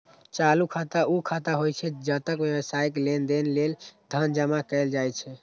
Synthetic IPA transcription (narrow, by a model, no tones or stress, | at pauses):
t͡ʃalukʰat̪aʔukʰat̪aɦojt͡ʃʰɛd͡ʒət̪əkbjewəsajklend̪enleld̪ʱənd͡ʒəmakɛld͡ʒajt͡ʃʰɛ